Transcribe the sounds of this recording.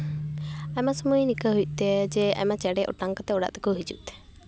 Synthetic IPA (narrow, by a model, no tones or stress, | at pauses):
amasəmujnikəɦuj̚ˀt̪ɛd͡ʒɛa̰mat͡ʃɛɽɛʔɔ̰ʈaŋkat̪ɛɔɽa̰ʔt̪ɛkoɦid͡ʒṵʔt̪ɛ̥